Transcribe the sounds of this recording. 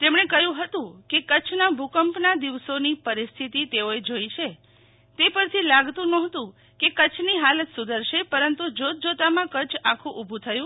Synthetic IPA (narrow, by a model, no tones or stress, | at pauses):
t̪emɳ̃ekəjũɦət̪ũkekət͡ʃʰnabʱukəmpnad̪iʋsonipəɾist̪ʰit̪it̪eoed͡ʒojt͡ʃʰe | t̪epəɾt̪ʰilaɡt̪ũnɔ̃ɦt̪ũ | kekət͡ʃʰniɦalət̪sud̪əɾʃepəɾənt̪ud͡ʒot̪̚d͡ʒot̪amãkət͡ʃʰakʰũʔubʱũt̪ʰəjũ